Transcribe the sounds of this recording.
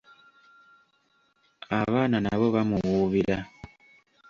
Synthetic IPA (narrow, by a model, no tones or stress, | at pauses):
aβananaβoβamuwuβiɾa